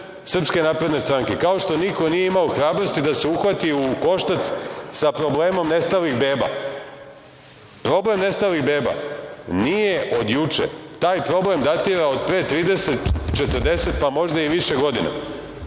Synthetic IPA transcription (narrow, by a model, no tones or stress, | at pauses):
sr̩pske̞naːpɾe̞d̪ne̞st̪ɾaŋkekao̞ʃt̪o̞niko̞nijeimaoxɾaːbɾo̞st̪id̪ase̞uxʋat̪iuko̞ʃt̪at̪ssapɾo̞ble̞ːmo̞mne̞st̪aliɣbeːba̰ | pɾo̞ble̞mne̞st̪aliɣbeːba̰nije̞ʔo̞d̪jut͡ʃḛt̪aːjpɾo̞ble̞md̪at̪iɾaod̪̚pɾeːt̪ɾiːd̪eset̪t͡ʃet̪ər̩d̪e̞se̞t̪̚pamo̞ʒd̪aiʋiʃeɡo̞d̪ina̰